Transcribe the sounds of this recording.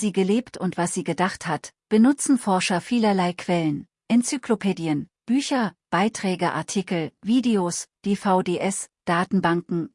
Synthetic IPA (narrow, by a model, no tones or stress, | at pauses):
z̥iːɡəleːptʰʊntv̥asz̥iːɡədaχthatb̥ənʊt͡sn̩fɔɐʃɐfiːlɐlaɪkʰv̥ɛlən | ʔɛnt͡syklopʰeːdiən | b̥yːçɐb̥aɪtʁ̥ɛːɡəʔa̰ɐtʰikl̩viːdeosd̥eːfaʊdeːʔɛsd̥aːtn̩baŋkŋ̩